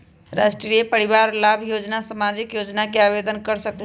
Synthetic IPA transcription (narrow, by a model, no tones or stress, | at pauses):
ɾasʈɾijepəɾiβaɾlabʱjod͡ʒnasəmad͡ʒikjod͡ʒnakeaβed̪ənkəɾsəkl